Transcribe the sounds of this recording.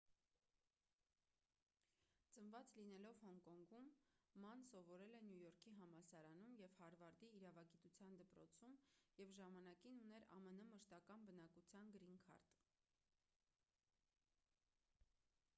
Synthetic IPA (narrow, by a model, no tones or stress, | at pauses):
t͡sənvɑt͡slinɛlɔvhɔŋkɔŋɡumːɑnsɔvɔɾɛlɛnjujɔɾkʰiɦɑmɑsɑɾɑnumjɛvhɑɾvɑɾd̪iːɾɑvɑɡit̪ut͡sʰjɑnd̪əpɾɔt͡sʰumjɛvʒɑmɑnɑkinunɛɾɑ̰mənəməʃt̪ɑkɑnbənɑkut͡sʰjɑnɡɾiŋkʰɑ̰ɾt̪